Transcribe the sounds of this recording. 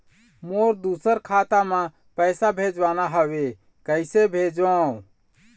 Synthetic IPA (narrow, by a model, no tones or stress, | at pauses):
moɾd̪usəɾkʰat̪amã | pəɪsabʱed͡ʒwanaɦəwe | kəɪsebʱed͡ʒã